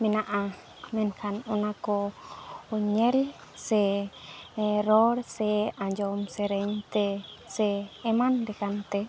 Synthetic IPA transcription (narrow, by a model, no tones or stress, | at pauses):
mɛnaʔa | mɛnkʰanɔnakɔː | ɲɛl | sɛ | ɾɔɾsɛaɲd͡ʒɔmsɛɾɛɲt̪ɛsɛːmandɛkant̪ɛ